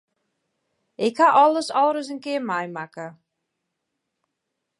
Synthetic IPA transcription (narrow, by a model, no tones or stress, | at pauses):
ʔɪkhaʔɔlˠəsɔlˠɾəs̬ənkɪərmajmakə